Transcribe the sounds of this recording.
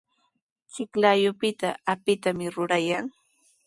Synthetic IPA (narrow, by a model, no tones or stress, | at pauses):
t͡ʃɪklajʊpɪt̪aapɪt̪amɪɾʊɾajaŋ